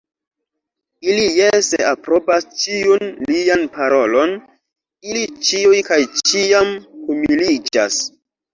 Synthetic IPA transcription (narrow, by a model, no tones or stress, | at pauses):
ilijesḛapɾo̞past͡ʃiunlianpaɾo̞lo̞n | ilit͡ʃiujkajt͡ʃiamkumilid͡ʒa̰s